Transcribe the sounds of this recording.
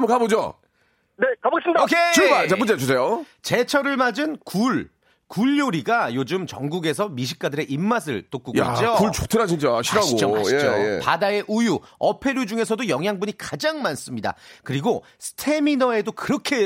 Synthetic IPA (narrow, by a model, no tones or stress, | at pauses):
mkabod͡ʑo̰ | nekabasidkʰet͡ɕɯbat͡ɕapund͡ʑet͡ɕos̬ʰejo | t͡ɕe̞t͡ɕʰʌɾɯɭmad͡ʑɯnkuɭ | kuʎːoɾiɡajod͡ʑɯmt͡ɕʌŋɡuɡe̞s̬ʰʌmiɕ̬ʰi̥k͈̚adɯɾe̞ʔimːas̬ʰɯɭt͈ok͈uɡa̰t͡ɕiokuɭt͡ɕotʰɯɾaɕ̬ʰint͡ɕ͈aɕʰiɾaɡooma̰ɕjed͡ʑoj̰padae̞ʔujuʌpʰe̞ɾjud͡ʑuŋe̞sʰʌdojʌŋɦjaŋbuɲikad͡ʑaŋmans͈ɯmɲida̰kɯɾiɡo | sʰɯ̥tʰe̞minʌe̞dokɯɾʌkʰe̞